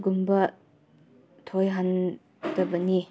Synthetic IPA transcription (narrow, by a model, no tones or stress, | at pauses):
ɡumbɐ | tʰojɦan | dɐbɐni